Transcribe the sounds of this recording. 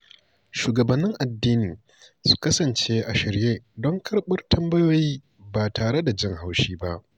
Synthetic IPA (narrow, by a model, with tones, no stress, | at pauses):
ʃuː˨ɡɐ˨bɐ˨nːɪ˦ŋʔa˨dːiː˦niː˨ | su̥˦kɐ˦sɐ˨nt͡ʃe˦ʔa˨ʃɪ˨ɾjeː˦dɔ˦ŋkʰɐ˦rɓʊ˦rtʰɐ˦mbɐ˦joː˦jiː˦ | baː˨tʰaː˨ɽe˦da˨d͡ʒɪ˦˨ŋha˦wʃiː˦ba˦ʔ